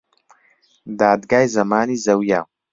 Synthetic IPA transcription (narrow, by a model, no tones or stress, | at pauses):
d̪aːd̪ɡaːjzɐmaːniːzɐwjaːw